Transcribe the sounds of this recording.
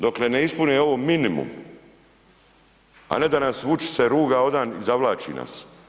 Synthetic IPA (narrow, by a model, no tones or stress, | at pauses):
d̪okleneispuneo̞ʋominimṵm | a̰ne̞d̪anasʋut͡ʃi̥seɾuːɡao̞d̪aːnizaʋlaːt͡ʃḭna̰s